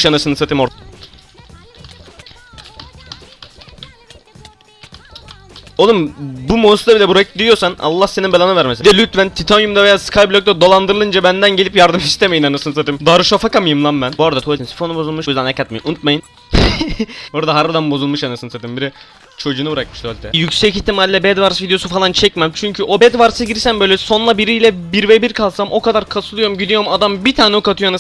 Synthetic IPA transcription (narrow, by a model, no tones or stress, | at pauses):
ʃjanasɯnɯsat̪ʰimo | olˠumbumosd̪abilʲɛbuɾɛk̚d̪ijoɾsana̰lˠːahseninbelʲˠanɯvæɾmesd̪ɛlʲyt̪vænt̪ʰit̪ʰanjumd̪avejaːskʰajblʲˠok̚t̪ad̪o̞lˠand̪ɯɾɯlˠɯnd͡ʒabænd̪ænɟelʲipjaɾd̪ɯmist̪ʰeme̞jinanɯsɯnɯsat̪ʰimd̪aːɾuʃafakamɯjɯmlˠambænbuaɾad̪at̪ʰosinsi̥fonubozulˠmɯʃujzd̪ɛnɛcʰat̪̚mejinunut̪̚majɯn | boɾad̪aɦaɾvad̪anbo̞zulˠmɯʃanɯsɯnsat̪ʰimbiɾɛ | t͡ʃʰo̞d͡ʒuːnubɯɾakmɯʃd̪ʰølʲt̪ʰɛjycʲsɛcist̪ʰːimalʲiːɛbɛd̪vaɾsvid̪ejo̞sufalˠant͡ʃʰɛcmæmt͡ʃʰyɲcʰyʔo̞bɛd̪vaɾsɯɟiɾsæmbø̞jlʲɛso̞nlˠabiɾijlʲɛbiɾvebiɾkʰalˠsamʔo̞kad̪aɾkʰasulˠujomɟid̪ijo̞ɾmad̪ambit̪ʰaːnɛokat̪ʰujoanɯ